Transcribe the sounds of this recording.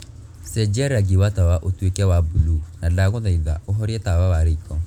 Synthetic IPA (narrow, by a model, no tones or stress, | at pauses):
sɛd͡ʒɛɾaɡiwatawaʔotwekɛwabulunalaɣoðaiðaʔoɦɔɾiɛtawawaɾeikɔ